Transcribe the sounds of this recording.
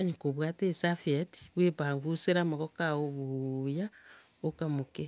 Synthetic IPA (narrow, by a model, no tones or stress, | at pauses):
aɲokoβwatesafieti̥βwepaŋɡuseɾamaɣɔkaoβuja | okamoke